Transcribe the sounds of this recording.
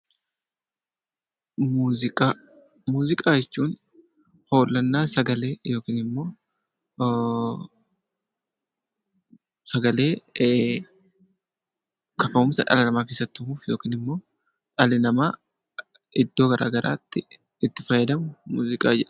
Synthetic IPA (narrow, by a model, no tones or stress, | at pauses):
muːɪkʼa | muːzɪkʼaːjɛt͡ʃːuːn | ho̞ːlːɐnːaːsɐɡɐle̞ːjo̞ːkiːnɪmːo̞ː | sɐɡɐle̞ː | kɐkɐmʊmsɐ̰ᶑɐ̰lɐnɐmaːkeːsːɐt̪ːmuːfjo̞ːkiːnɪmːo̞ː | ᶑɐlɪnɐmaː | ɪd̪ːo̞ːɡɐɾʔa̰ːɡɐɾʔa̰ːt̪ːɪ | ɪt̪ːɪfɐjːɛd̪ɐmʊmuːzɪkʼaːd͡ʒɛᶑ